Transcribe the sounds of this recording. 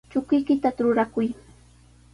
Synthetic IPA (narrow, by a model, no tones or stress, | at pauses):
t͡ʃʊkʊjkɪt̪aɾʊɾakʊj